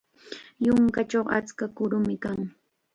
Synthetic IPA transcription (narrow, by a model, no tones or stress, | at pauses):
jʊŋkat͡ʃoχa̰t͡skakʊɾʊmɪkaŋ